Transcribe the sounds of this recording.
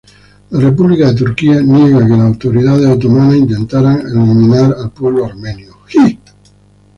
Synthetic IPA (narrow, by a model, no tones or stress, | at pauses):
lare̞p̬uβlikaðe̞t̪̬uɾkianjeɣakelasawt̪o̞ɾiðað̞esat̪omanaĩnt̪ẽ̞nt̪aɾaŋḛlimĩnaɾalpwe̞β̞loaɾmẽ̞njoxi